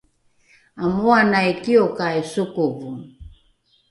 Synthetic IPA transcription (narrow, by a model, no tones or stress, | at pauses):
amuanajkiokaesukuvu